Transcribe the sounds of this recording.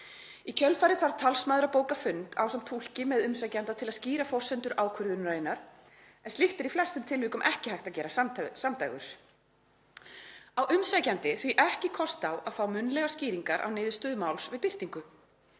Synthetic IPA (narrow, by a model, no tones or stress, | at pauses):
icʰœlfajɾɪθaɾt̪ʰalsmaðɾapoːwkafʏnt̪a̰wsamt̪ʰul̥cɪmɛðʏmsajcant̪at̪ʰɪlaðsciːɾafɔr̥sɛnt̪ʏɾʔaːwkʰʏɾðʏnɾajnːaɾ̥ | ɛnst̪ɪht̪ɪɾiflɛst̪ʏmt̪ʰɪlvɪːkʏmʔɛhcɪhajht̪aðcɛːɾasasamt̪ajɣʏ̰s | awʔʏmsajcant̪ɪθviʔɛhcɪkʰɔst̪awa̰ðfaːwmʏnlɛɣḁsciːɾiŋkaɾʔa̰wneːðʏst̪ʏːðmawlsvɪðpɪr̥t̪iŋkʏ